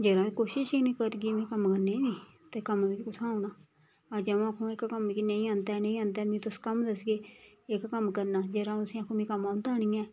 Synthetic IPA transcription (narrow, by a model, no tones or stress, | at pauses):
d͡ʒeːɾãːkoːʃɪʃinĩːkəɾɡiːmẽːkəmkəɾneːniː | t̪ekəmʋiːkːkʊt̪ʰãːnaː | ad͡ʒə̃aːkʰːõːɪkkəmkiːnəĩːãːnd̪aːnə̃ĩːãːnd̪aːmĩːt̪ʊskəmd̪əsɡeːɪkːəmkəɾnaːd͡ʒeːɾãːʊsĩːakʰːõːmĩːkəmãːnd̪aːɽ̃iːãː